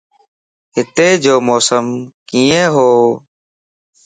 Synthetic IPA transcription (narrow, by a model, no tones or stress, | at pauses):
ɦɪt̪eːd͡ʒoːmoːsəmkiːẽːɦoː